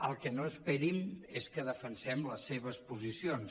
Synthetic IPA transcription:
əlˠkənoəspɛɾimeskəðəfənsɛmləsːeβəspuzisions

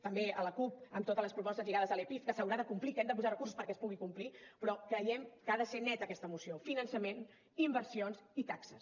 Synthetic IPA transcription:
t̪əmbeələkup̚əmt̪ot̪əzləspɾupɔst̪əzʎiɣaðəzəlepifkəsəwɾaðəkumplikɛmd̪əp̬uzarəkursu̥spəɾkɛəspuɣikumplipɾɔkɾəjɛmkəaðəsenɛt̪əkɛst̪əmusiofinənsəmen | imbəɾsionzit̪aksəs

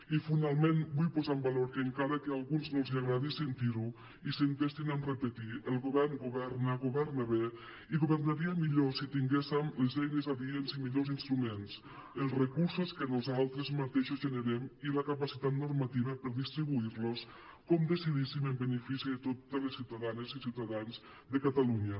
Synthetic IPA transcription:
ifinalˠmenbujpozambaloɾkeŋkaɾakealˠɣunznolˠziaɣɾaðisent̪iɾu | isent̪est̪inanrepet̪iəlˠɣoβɛrnɡoβɛɾnaɣoβɛɾnaβe | iɣoβərnaɾiamiʎosit̪iŋɡesemlezɛjnezaðienzimiʎozinst̪ɾumens | əlˠzrekuɾsoskənozalˠt̪ɾezmat̪eʃozʒənəɾɛmiləkapasit̪at̪nurmat̪iβəpəɾðist̪ɾiβuiɾlos | kɔmd̪əsiðisiməmbənəfisiðət̪ot̪əlesːiwt̪aðanezisiwt̪aðanz | ðəkat̪aluɲə

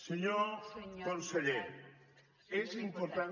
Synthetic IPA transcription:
seɲokonseʎe | ezimpoɾt̪a

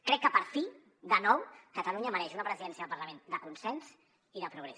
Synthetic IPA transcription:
kɾɛkːəpəɾfi | ðənɔwkət̪əluɲəːmɐɾɛʃunɐpɾəziðɛnsiəɐðəlˠpəɾləmẽnd̪əkunsɛns | iðəpɾuɣ̞ɾɛs

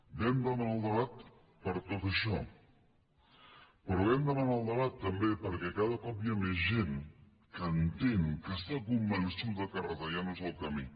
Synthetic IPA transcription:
bɛmd̪ənəlˠd̪əβat̪ | pəɾt̪ot̪əʃɔ | pɾɔβɛmd̪əmanalˠd̪əβat̪ːəmbepəɾkɛkaðəkɔp̚iəmezʒeŋ | kənt̪eŋkəst̪akumbənsuəkərəðajanuzəlˠkəmi

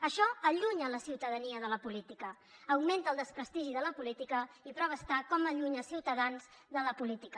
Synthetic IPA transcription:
əʃɔəʎuɲələsiwt̪əðəniəðələpulit̪ikə | əwment̪əːlˠd̪əspɾəst̪iʒiðələpulit̪ikəipɾəβəst̪akɔməʎuɲəlˠsiwt̪əðanz | ðələpulit̪ikə

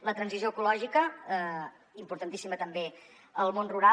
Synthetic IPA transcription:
lət̪ɾənzizjoəkulɔʒikə | impuɾt̪ənt̪isimət̪əmbe | əlˠmonruɾa

